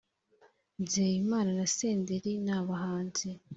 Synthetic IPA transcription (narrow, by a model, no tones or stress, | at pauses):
zeːjimaːnanaseːndeɾinaːβaɦaːnze